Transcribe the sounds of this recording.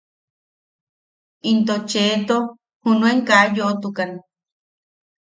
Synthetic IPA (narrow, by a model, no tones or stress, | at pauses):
int̪ot͡ʃeːt̪o | hunũeŋkajoʔt̪ukana